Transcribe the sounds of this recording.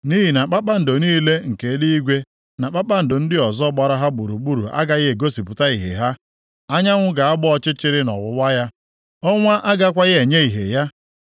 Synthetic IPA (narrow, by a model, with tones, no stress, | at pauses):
ni˦ɦi˨na˨k͡pa˦k͡pa˦n̩˨do˨niː˦le˦ŋ̩˨ke˨˦di˦i˦ɡʷe˦ | na˨k͡pa˦k͡pa˦n̩˨do˨n̩˦dɪ˦ɔ˨zɔ˦ɡ͡ba˨ɾa˦ɦa˦ɡ͡bu˨ɾu˨ɡ͡bu˦ɾu˨ʔa̰˦ɡa˨ɣɪ˦e˨ɡo˦si˨pʊ˨ta˦i˨ɦḛ˨ɦa˦ | a˦ɲa˦ŋʷʊ˦ɡa˨a˦ɡ͡bɔ˦ɔ˦t͡ʃɪ˦t͡ʃɪ˦ɾɪ˦nɔ̰˨wʊ˨wa˦ja˦ | ɔ˦ŋʷa˦ʔa˦ɡa˦kʷa˦ɣɪ˦e˨ɲe˦i˨ɦḛ˨ja˦